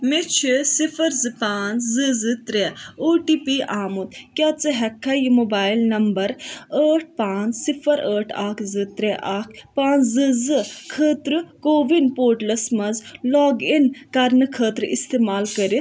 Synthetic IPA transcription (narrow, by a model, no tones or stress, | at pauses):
mit͡ʃʰisifʰɐɾzɨpaːnt͡szɨzɨt̪ɾɛoːʈiːpiːʔaːmut̪kʲjat͡sɨɦɛkʰːɐjimoːbaːilnɐmbɐɾəːʈ̚ʰpaːnt͡ssifʰɐɾəːʈʰa̰ːkʰzɨt̪ɾɛʔaːkʰpaːnt͡szɨzɨkʰəːt̪ɾɨkoːʋinpoːʈlɐsmɐzlɔːɡinkɐɾnɨkʰəːt̪ɾɨist̪eːmaːlkəɾi